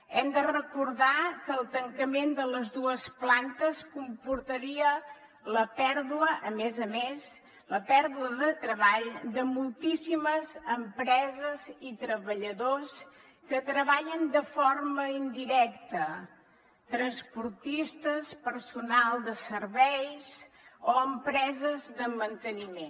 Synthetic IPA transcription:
ɛmd̪ərəkuɾðakəːlˠt̪əŋkəmend̪ələzðuəsplant̪əskumpuɾt̪əɾiə | ləpɛɾðuəʔəmezəmes | ləpɛɾðuəðət̪ɾəβaʎd̪əmulˠt̪isiməzəmpɾɛzəzit̪ɾəβəʎəðos | kət̪ɾəβaʎənd̪əforməind̪iɾɛkt̪ə | t̪ɾənspuɾt̪ist̪əspəɾsunalˠd̪əsərβɛjz | oəmpɾɛzəzðəmənt̪ənimen

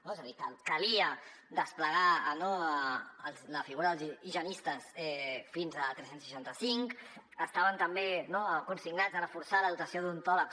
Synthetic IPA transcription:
noezəðikəkəliəd̪əspləɣ̞anoəlˠzləfiɣuɾəðəlˠziiʒənist̪əsɛfinzət̪ɾɛsensiʃant̪əsiŋk | əst̪aβənt̪əmbenokunsiɡnazərəfuɾsaləðut̪əsioðunt̪ɔlək

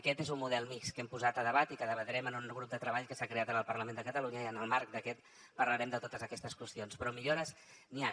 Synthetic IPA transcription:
əkɛt̪ezummuðɛlˠmikskɛmpuzat̪əðəβat̪ikəðəβət̪ɾɛmənunɣɾup̚d̪ət̪ɾəβaʎkəsakɾeat̪ənəlˠpəɾləmend̪əkət̪əluɲəiənəlˠmaɾk̚d̪əkɛt̪ | pəɾləɾɛmd̪ət̪ot̪əzəkɛst̪əskwəst̪ionspɾɔmiʎoɾəs | nia

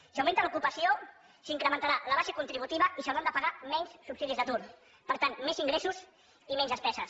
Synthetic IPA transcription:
sawment̪əlukupəsio | siŋkɾəmənt̪aɾaləβ̞aʃekunt̪ɾiβ̞ut̪iβəisəwɾand̪əpaɣamɛɲssubsiðizðət̪uɾ | pəɾt̪anmeziŋɡɾesuz | imɛnzəspɛsəs

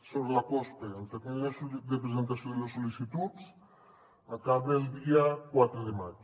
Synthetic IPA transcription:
soβɾelakɔst̪eelt̪eknunesud̪epɾezent̪asjoðelesolisit̪utt͡s | akaβeld̪iakwat̪ɾeðemat͡ʃ

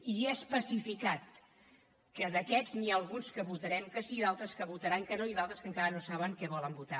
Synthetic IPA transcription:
iɛspəsifikat̪̚ | kəðəkɛznialˠɣunskəβut̪əɾɛmkəsiðalˠt̪ɾəskəβut̪əɾaŋkənoiðalˠt̪ɾəskəŋkaɾənosaβəŋkɛβɔləmbut̪a

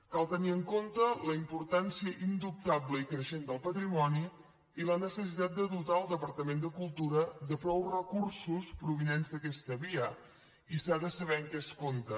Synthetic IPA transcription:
kalˠt̪əniəŋkont̪ələimpuɾt̪ansiəʔind̪up̚t̪abləikɾəʃend̪əlˠpət̪ɾimɔni | ilənəsəs̬it̪at̪̚d̪əðut̪aəlˠd̪əpəɾt̪əmend̪əkulˠt̪uɾəd̪əpɾɔwrəkursuspɾuβ̞inenzd̪əkɛst̪əβiə | isaðəsəβɛŋkɛskont̪ə

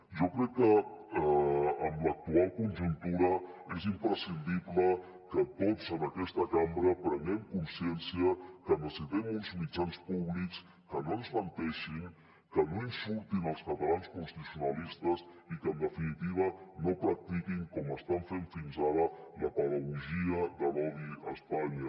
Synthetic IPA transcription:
ʒɔkɾɛkːə | mlək̚t̪ualˠkunʲʒunt̪uɾəezimpɾəsind̪iβlə | kət̪otzənəkɛst̪əkambɾəpɾəŋɛmkunsiɛnsiəkənd̪əsiðɛmunzmid͡ʒanspuβliks | kənoənzmənt̪ɛʃiŋ | kənoinsult̪inəlˠskət̪əlanskunst̪isiunəlist̪əs | ikənd̪əfinit̪iβ̞ənopɾək̚t̪ikiŋkɔməst̪aɱfeɱfinzaɾələpəðəɣuʒiəðəlɔβiəspaɲə

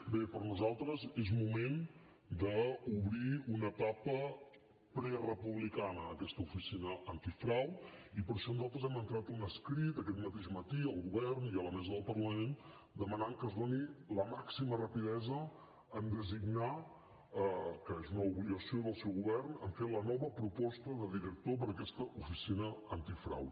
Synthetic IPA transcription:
bepəɾnuzalˠt̪ɾəzezmumen | d̪əuβɾiunət̪apə | pɾɛrəpuβlikanəːkɛst̪əufisinəʔənt̪ifɾawipəɾʃɔnuzalˠt̪ɾəzɛmənt̪ɾat̪unəskɾit̪əkɛt̪mət̪eʒmət̪iəlˠɣuβɛrniələmɛzəðəlˠpəɾləmen | d̪əmənamkəzðoniləmaksimərəpiðɛzəː | nd̪əziɡna | əkəezunəuβliɣəsioðəlˠsɛwɣuβɛrnə̰ɱfet̪lənɔβəpɾupɔst̪əðəðiɾək̚t̪op̬əɾəkɛst̪əʔufisinəənt̪ifɾa̰w

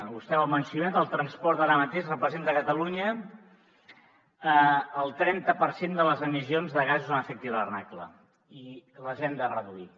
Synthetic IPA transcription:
ust̪ɛwəmənsjunat̪əlˠt̪ɾənspɔɾt̪aɾəmət̪eʃrəpɾəzent̪əkət̪əluɲə | əːlˠt̪ɾɛnt̪əpəɾsend̪ələzəmizionzðəɣazuzanəfek̚t̪iðlərnaklə̰ | iləʒɛnd̪ərəðui

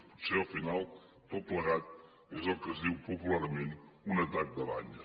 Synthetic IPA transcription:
puɾseɐfinalˠ | t̪oplˠɐɣat̪ | ezɔkɐziwpupulˠaɾmẽnt̪ũnɐt̪ak̪̚d̪ɐβa̰ɲɐ

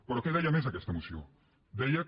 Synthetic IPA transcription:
poɾokeðajames̬akest̪emusjo | d̪ejak

